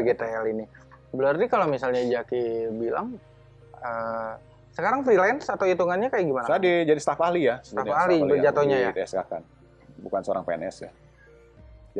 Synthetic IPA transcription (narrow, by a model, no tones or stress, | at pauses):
ɡit̪aɛlini | bəlart̪ikalowmisalɲad͡ʒakibila̰ŋ | ə | səkaɾaŋfɾilɛnsat̪awit̪uŋanɲakajaɡimanat̪adid͡ʒadist̪afalijasət̪afalibəd͡ʒat̪oɲajat̪ɛska̰ka̰n | bukansəoɾa̰ŋpeɛnɛsja̰ | d͡ʒ